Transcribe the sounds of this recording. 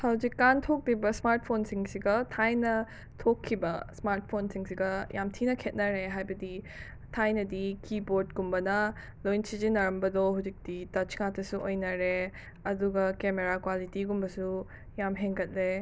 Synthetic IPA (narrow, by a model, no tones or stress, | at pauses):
hɐwd͡ʒikːantʰok̚libɐsmaɾt̚pʰonsiŋsiɡɐtʰajnɐ | tʰokʰːibɐsmaɾt̚pʰonsiŋsiɡɐjamtʰinɐkʰet̚nɐɾeɦajbɐdi | tʰajnɐdikiboɾd̚ɡumbɐnɐ | lojnsid͡ʒinɐɾɐmbɐdɔɦawzik̚ditɐt͡ʃŋatʰɐsuʔojnɐɾe | ɐduɡɐkemeɾakwalitiɡumbɐsu | jamɦeŋɡɐt̚le